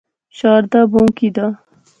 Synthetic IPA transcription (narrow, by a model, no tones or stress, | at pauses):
ɕɑːɾd̪abõːkid̪a